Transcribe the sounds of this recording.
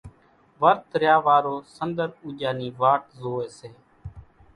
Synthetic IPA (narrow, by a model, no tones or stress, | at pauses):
ʋəɾt̪ɾjaːʋaːɾoːsənd̪əɾuːʄaːniːʋaːʈzoːeːseː